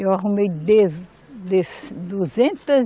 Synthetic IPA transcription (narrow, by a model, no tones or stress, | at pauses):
ewɐʁumejd̪ez | d̪esd̪uzẽnt̪ɐz